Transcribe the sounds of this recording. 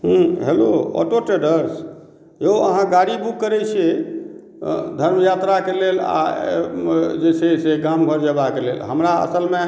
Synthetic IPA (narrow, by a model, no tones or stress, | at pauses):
ɦũɦeloɔ̰ʈoʈeɖəɾs | eoə̰ɦãɡaɽibukːəɾɛt͡ʃʰe | d̪ʱəɾmjat̪ɾakelela̰ | d͡ʒeseseɡamɡʱəɾd͡ʒəbakelḛlɦəmɾaə̰səlme